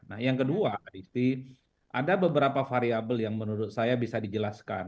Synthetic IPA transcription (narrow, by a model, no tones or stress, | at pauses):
nahjaŋkəduaadist̪i | ʔa̰dabəbəɾapafaɾiabəljaŋmənuɾʊt̪̚sajabisadid͡ʒəlaska̰n